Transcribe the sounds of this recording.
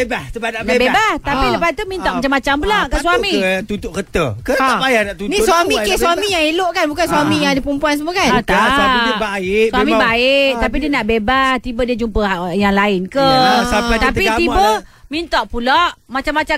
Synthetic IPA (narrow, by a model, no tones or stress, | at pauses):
ebahsəbanaʔnbebaht̪apiləpat̪umint̪ɔʔmat͡ʃamat͡ʃampulaʔkaswamit̪ut̪ʊʔkət̪əkəapajanaʔt̪uniswamikeswammijaŋiloʔkanbukansamijaŋdəpumpuans̬əmokanat̪aasaibaɪswamibaɪʔt̪ap̬idiənaʔbebaht̪ibədiəd͡ʒumpəajaŋlaɪnkəsapat̪apt̪piɡaibəmint̪ɔʔpulaʔmat͡ʃamːat͡ʃa